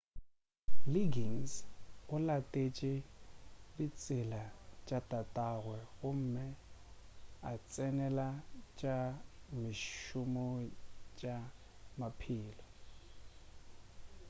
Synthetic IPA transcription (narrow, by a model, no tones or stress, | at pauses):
liɡiŋsɣʊlatʼet͡ʃʼɪ | dit͡sʼɪlat͡ʃʼatʼatʼaɣwɛɣʊm̩mɪ | at͡sʼɛnɛlat͡ʃʼamɪʃʊmɔt͡ʃʼa | mapʰɪːlɔ